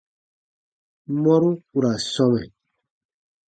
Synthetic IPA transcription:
mɔ˦ɾũ˦u˨ɾa˨sɔ˦mɛ˨

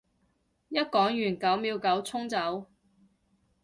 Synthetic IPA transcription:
jɐ˥t̚kɔː˨˥ŋjyː˨˩nkɐ˨˥wmiː˨˧wkɐ˨˥wt͡sʰʊ˥ŋt͡sɐ˨˥w

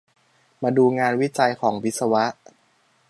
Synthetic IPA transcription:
maː˧duː˧ŋaː˧nwi˦˥t͡ɕa˧jkʰɔː˩˦ŋwi˦˥t̚sa˧wa˦˥ʔ

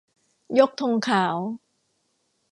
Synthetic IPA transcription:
jo˦˥k̚t̪ʰo˧ŋkʰaː˩˦w

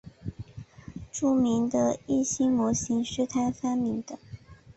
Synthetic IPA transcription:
ʈ͡ʂu˥˩mi˧˥ŋd̪ə˧i˥˩ɕi˥ŋmwɔ˧˥ɕi˧˥ŋʂɻ̩˥˧t̪ʰa˥˩ɪfa˥nmi˧˥ŋd̪ə˧˦

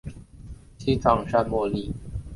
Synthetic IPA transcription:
t͡ɕʰi˥ʈ͡ʂɑ˨˩ŋʂa˥˧nmwɔ˥˧li˥˩

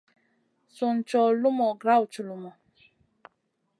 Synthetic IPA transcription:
sʊ˨n˨t͡ʃɔ˨lu˦mɔ˨ɡɾa˦˨wu˨t͡ʃu˨lu˨mɔ˨

